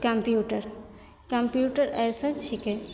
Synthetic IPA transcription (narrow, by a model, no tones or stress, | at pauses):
kɐmpjuʈəɾ | kəmpjuʈəɾɛjsə̃nt͡ʃʰikɛ